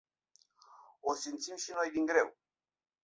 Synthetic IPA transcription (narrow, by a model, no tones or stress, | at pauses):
osimt̪simʃino̞jd̪iŋɡɾe̞w